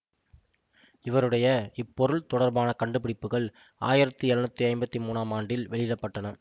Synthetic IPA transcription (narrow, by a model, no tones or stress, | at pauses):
ɪʋɐɾɯɽɐjɐɪpːɔɾɯɭt̪ɔɽɐɾbaːnɐkɐɳɖɯpɪɽɪpːɯɣɐɭ | ʔa̰ːjɪɾɐt̪ːɯɛɾɐnɯt̪ːɯɐɪmbɐt̪ːimuːnaːmaːɳɖɪlʋɛɭɪɪɽɐpːɐʈːɐnɐ